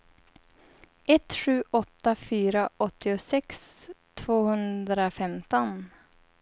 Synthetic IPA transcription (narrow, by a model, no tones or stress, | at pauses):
ɛt̪ɧʉ̟ːʔɔt̪ːafyːɾaʔɔt̪ːɪʊsɛkst̪ʰvoːhɵnd̪ɾafɛmt̪ɔn